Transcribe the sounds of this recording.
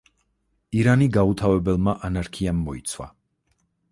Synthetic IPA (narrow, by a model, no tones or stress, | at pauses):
iɾaniɡaut̪ʰavɛbɛlˠmaʔanaɾkʰiamːɔit̪sʰwa̰